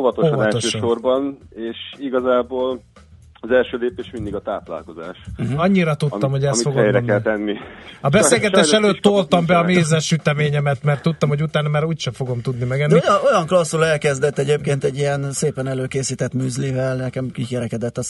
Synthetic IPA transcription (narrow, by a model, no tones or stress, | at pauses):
ovɒt̪opʃɔnnɛloʃøːʃʃorbɒneːʃiɡɒzaːboːl | ɒzɛlʃøːleːpeːʃmind̪iɡɒt̪a̰ːpla̰ːlko̞za̰ːʃɒɲːiɾɒt̪ut̪ːɒmho̞ɟɛsifoɡojɾɛnːɛlɛnːiɒbɛseːlɡɛt̪eːʃɛløːt̪ːolt̪ɒmbɛɒmeːzɛʃyt̪ɛmeːɲɛmɛt̪mɛrt̪ːut̪ːɒmhoɟut̪aːnɒmaːɾuːcʃɛfoɡo̞mt̪ud̪nimɛɡɛniojo̞jɒŋklɒsːulɛlkɛzd̪ɛt̪ːɛɟeːpkeːnt̪ɛɟːijɛnseːpɛnɛløːkeːsiːt̪ɛt̪myːzlivɛlnɛkɛmkikɛɾɛkɛd̪ɛt̪ːɒs